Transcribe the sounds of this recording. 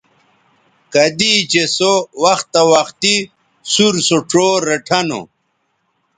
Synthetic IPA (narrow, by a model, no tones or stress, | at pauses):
kɐd̪it͡ɕesowɐxt̪ɐwɐxt̪i | suɾsoʈ͡ʂoːɾeʈʰɐno̰